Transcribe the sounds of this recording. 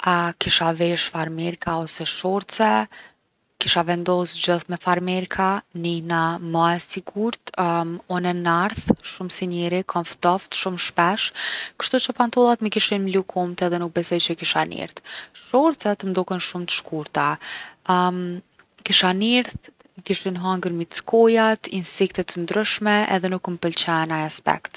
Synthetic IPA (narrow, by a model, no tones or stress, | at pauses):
akiʃavɛʃfaɾmɛɾkaɔsɛʃɔɾt̪t͡sɛ | kiʃavɛnd̪ɔsd͡ʑəθmɛfaɾmɛɾkʰaninamaɛsiɡuɾt̪ɔnɛnaɾθʃumsɛnɛɾikʰɔnft̪ɔft̪ʃumʃpɛʃkə̥ʃt̪ut͡ʃəpant̪ɔlˠat̪məkiʃinmlukʰumt̪ɛðɛnuk̚bɛsɔjt͡ɕəkiʃanḭɾtʃɔɾt͡sɛt̪əmd̪ɔkɛnʃumt̪ə̥ʃkuɾt̪a | m | kiʃaniɾθ | məkiʃinɦaŋɡəɾmit̪skɔjat̪insɛkt̪ɛt̪ːənd̪ɾyʃmɛʔɛ̰ðɛnukməpəlt͡ɕɛnajaspɛ̰kt̪